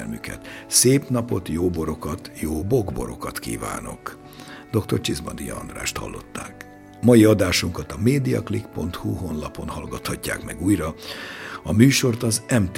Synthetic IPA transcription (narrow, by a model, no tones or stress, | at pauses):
lmykɛ̰t̪seːpn̪ɒpo̞t̪joːbo̞ɾokɒt̪joːbo̞ɡbo̞̰ɾo̞̰kɒt̪kḭːva̰ːno̞̰k | d̪o̞kt̪o̞rt͡ʃizbɒd̪ijɒ̰ɒ̰nd̪ra̰ːʃt̪hɒ̰lːo̞̰t̪ːaːk | mɒjiɒd̪aːʃuŋkɒt̪ɒmeːd̪ijɒ̰klikpo̞nt̪huho̞nlɒpo̞nhɒlɡɒt̪hɒcːa̰ːkmɛɡuːjrɒ | ɒmyːʃo̞rt̪ɒzɛmt̪